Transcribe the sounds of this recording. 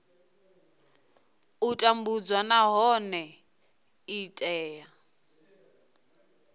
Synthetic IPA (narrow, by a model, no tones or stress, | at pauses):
utʼambud͡zwanaɦɔnɛ | itʼɛːja